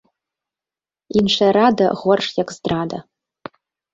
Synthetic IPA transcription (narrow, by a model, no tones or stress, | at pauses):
inʂʷʰɐɾada̰ʁʷɔrʂjakʼzdraːda